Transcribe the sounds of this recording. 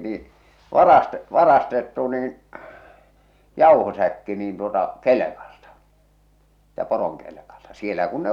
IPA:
niː ʋɑrɑste ʋɑrɑstetːu niːn jɑˑuhosækːi niːn tuotɑ kelekɑl̥tɑ̥ si̥ːtæ poroŋkelĕkɑltɑ sielæ kun ne

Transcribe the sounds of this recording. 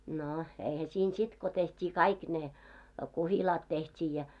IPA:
no eihæ siːn sit ko tehtʲiː kɑik ne kuhilɑːt tehtʲiː jɑ

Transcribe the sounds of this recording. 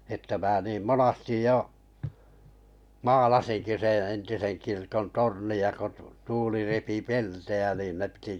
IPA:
etːæ mæː niːm monɑstij jo mɑːlɑsinki sẽː entisen kirkon torniɑ ko tuːli repi peltejæ niˑn ne pĭti

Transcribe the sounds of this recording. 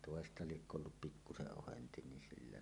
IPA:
toˑestɑ liekːø olːup pikːuseʔ ʔohenti ni silːæ

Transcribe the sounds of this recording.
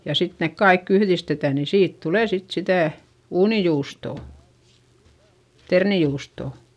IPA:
jɑ sit nek kɑikː yhðistetæ ni siːt tuleˑ sit sitæˑ uːnijuːstoˑ ternijuːstoˑ

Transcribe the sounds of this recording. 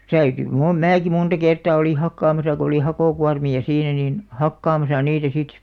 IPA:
tæyty mu mæːki muntɑ kertɑˑ oli hɑkːɑːmɑsɑ ko oli hɑkoˑkuɑrmiɑ siːnæ nin hɑkːɑːmɑsɑ niːtæ sit

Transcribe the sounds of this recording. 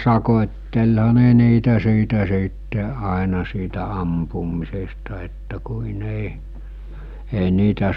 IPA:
sɑkotʲtelhɑ ne niːtæ siːtæ siːtːe ɑˑenɑ siːtæ ɑmpumˑisestɑ etːæ kuin ei ei niːtæ

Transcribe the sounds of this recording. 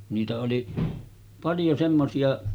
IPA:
niːtæ oli pɑljo semːosiɑ

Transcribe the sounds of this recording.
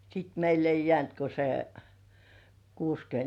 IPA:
sit meilː ei jĕæˑnt ko se kuːskyønt

